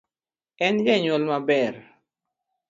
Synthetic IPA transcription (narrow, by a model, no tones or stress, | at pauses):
ɛnd͡ʒɛɲɔlmabɛr